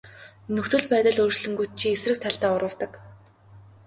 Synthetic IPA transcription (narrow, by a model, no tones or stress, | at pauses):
nɵxt̪ʰɵ̆ɮpæːt̪ə̆ɮɵːrt͡ɕɮɵ̆ŋɡujt̪̚t͡ɕʰiesrɘ̆k̚t̪ʰæɬt̪aːʊɾə̆w̥t̪ə̆k